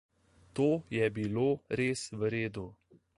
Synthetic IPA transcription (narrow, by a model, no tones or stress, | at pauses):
t̪oːjɛbiloːɾeːsʋɾeːd̪u